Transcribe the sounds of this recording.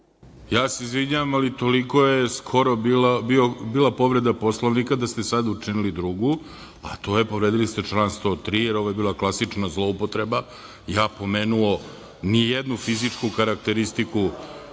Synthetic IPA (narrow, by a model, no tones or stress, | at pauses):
jaːseizʋiɲaʋamalit̪o̞liko̞jeskʰo̞ɾobilbiobiːlˠapo̞ʋɾe̞d̪apo̞slˠoʋnikad̪ast̪esad̪ut͡ʂinilid̪ɾuɡu | a̰t̪o̞je̞po̞ʋɾeːd̪ilist̪e̞t͡ʃlˠaːnst̪o̞t̪ɾiːjeɾo̞ʋojebiːlaklˠasit͡ʂnazlˠo̞upo̞t̪ɾe̞ba | jaːpo̞meːnuo̞ | nijed̪nufizit͡ʂkukaɾakt̪eɾist̪iku